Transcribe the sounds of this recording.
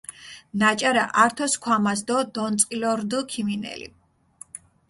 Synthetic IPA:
nat͡ʃʼaɾa̰ʔaɾt̪ʰɔskʰwamasd̪ɔd̪ɔnt̪sʼilɔɾd̪ukʰiminɛ̰lḭ

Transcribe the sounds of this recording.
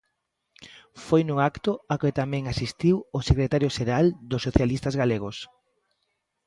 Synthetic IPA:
fojnuakt̪ʊakɪt̪amɛ̃ŋasist̪iwosekɾet̪aɾjoʃeɾald̪osːoθjalist̪azɣaleɣos

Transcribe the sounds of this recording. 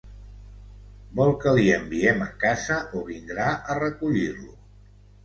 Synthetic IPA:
bɔlˠkəliəmbiɛməkazəʔoβind̪ɾaʔərəkuʎirlu

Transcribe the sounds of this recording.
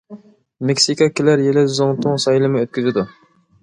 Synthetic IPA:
mekʲsikɑkʲʰɪlæɾjelɪzoŋt̪ʰʊŋsɑjlˠɨmɨøt̪̚kʲyzɪd̪u

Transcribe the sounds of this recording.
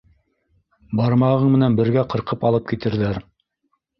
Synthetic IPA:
bɑɾmɑʁɤɴmɘ̆nænbɘ̆ɾɡæqɤ̆ɾqɤpɑlˠɤp̚kit̪ɘ̆ɾðæɾ

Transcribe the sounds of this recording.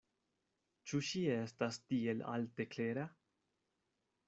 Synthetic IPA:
t͡ʃuʃiestastiela̰lte̞kleɾa

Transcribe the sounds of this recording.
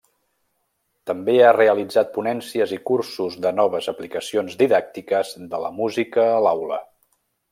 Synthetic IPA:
t̪əmbeareəlid͡zat̪̚punɛnsiəzikursuzðənɔβ̞əzəplikəsionzðiðak̚t̪ikəzðələ̰muzikəːlawlə̰

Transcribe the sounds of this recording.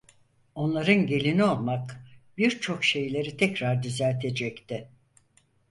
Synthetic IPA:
o̞nlˠaɾɯnɟe̞lʲinio̞lˠmakbiɾt͡ʃʰo̞kʃe̞jlʲe̞ɾit̪ʰɛcɾaɾd̪yzælʲt̪ʰe̞d͡ʒɛct̪ɪ

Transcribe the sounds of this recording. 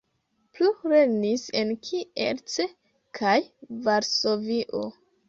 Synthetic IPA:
pluɾenise̞nkʰiḛɾt͡se | kʰajvaɾso̞viʔo̰

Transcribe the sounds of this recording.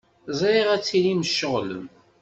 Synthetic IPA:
zˤɾiʁæt͡sːiliməʃːəʁlə̰m

